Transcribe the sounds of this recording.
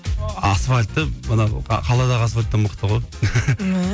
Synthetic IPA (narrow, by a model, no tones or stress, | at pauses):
ɑsfalʲt̪ːəmənɑqʰɑlˠɑd̪ɑʁɑsfalʲt̪ːəməqt̪əʁoj